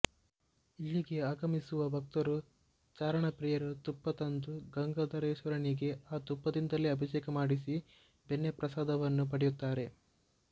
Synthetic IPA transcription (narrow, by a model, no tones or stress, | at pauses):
ilːiɡe̞aːɡɐmisuʋɐbɐk̚t̪ɐɾu | t͡ʃaːɾɐɳɐpɾijɐɾut̪upːɐt̪ɐnd̪uɡɐŋɡɐd̪ɐɾeːʃɐɾɐɳiɡe̞aːt̪upːɐd̪ind̪ɐliɐbʱɐʃɛːkɐmaːɽis̬i | benːepɾɐsaːd̪ɐʋɐnːup̬ɐɽɛjut̪ːaːɾe̞